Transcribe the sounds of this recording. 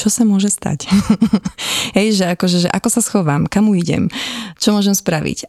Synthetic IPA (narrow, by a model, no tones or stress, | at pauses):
t͡ʃɔsamʊɔʒɛst̪a̰c | ɦɛjʒɛakɔʒɛʒɛʔakɔsasxɔʋamkamuiɟɛ̰mt͡ʃɔmʊɔʒɛmspɾaʋḭc